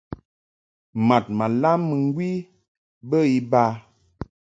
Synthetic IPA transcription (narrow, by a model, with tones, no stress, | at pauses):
ma˨t̚ma˨la˦mːə˨ŋ˦ɡwi˦ | bə˦i˦ba˦